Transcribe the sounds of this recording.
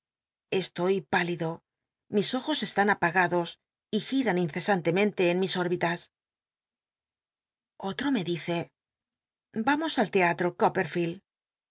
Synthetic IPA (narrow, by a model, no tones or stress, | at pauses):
e̞st̪o̞jpaliðo̞ | miso̞xo̞se̞st̪anapaɣaðo̞s | ixiɾaninθe̞sant̪e̞mẽ̞nt̪e̞ːnmiso̞ɾβit̪as | o̞t̪ɾo̞me̞ðiθe̞ | bamo̞salt̪e̞at̪ɾo̞kope̞ɾfil